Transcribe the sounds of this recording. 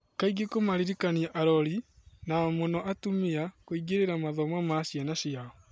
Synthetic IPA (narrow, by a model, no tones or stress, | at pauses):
kaiɡikomaɾiɾikaniaʔaɾɔɾinamonɔʔatumiakoiɡeɾeɾamaðɔmamasjanaʃiaɔ